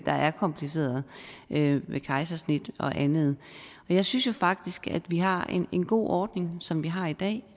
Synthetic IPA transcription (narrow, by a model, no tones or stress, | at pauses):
d̥ɑ̈ʔæɐkʰɒ̽mpʰlise̝̰ːɐðˠøʋekʰɑ̈ɪsæsnid̥ɒ̽ʔænð̞̩ˠ | ɒ̽jɑ̈ɪsynsjo̝fɑ̈ɡ̥̚d̥isɡ̥æ̰d̥ʋiɦɑ̈ene̝nɡ̥o̝̰ːʔɒːd̥ne̝ŋsɒ̽mʋiɦɑ̈id̥ɛ̰ː